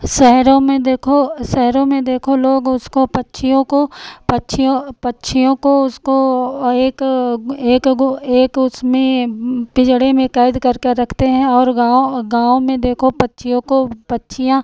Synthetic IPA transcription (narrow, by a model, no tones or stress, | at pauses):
ʃɛɦɾõmẽd̪eːkʰoʃɛɦɾõmẽd̪eːkʰoloːɡʊskopɐtːʃʰijõkopɐtːʃʰijõpɐtːʃʰijõkoʊskoeːkeːkeːkʊsmẽpɪd͡ʒɽemẽkaːɪd̪kɐɾkeɾɐkʰt̪eɦɛ̃ɔːɾɡaːoɡaːõmẽd̪eːkʰopɐtːʃʰijõkopɐtːʃʰijã